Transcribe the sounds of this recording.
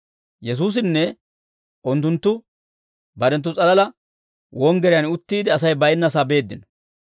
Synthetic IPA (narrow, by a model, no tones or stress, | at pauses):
jɛs̬uːs̬ɪnːɛ | ʔʊnt̪ːʊnt̪ːʊ | bɐɾɛnt̪̬ːʊt͡sʼɐlɐlɐ | wɔŋɡɛɾɪjɐnʊt̪ːiːd̪ɪɐsɐjbɐjnːɐs̬abe̞ːd̪ːɪnɔ̥